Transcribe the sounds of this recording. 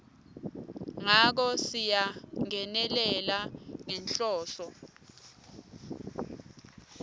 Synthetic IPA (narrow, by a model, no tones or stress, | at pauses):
ŋak̬ɔsijaŋɛnɛlɛlaŋɛnɬɔːɬɔ